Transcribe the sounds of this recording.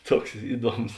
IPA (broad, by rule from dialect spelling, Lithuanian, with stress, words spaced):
ˈtuɔks ˈɪˌduɔms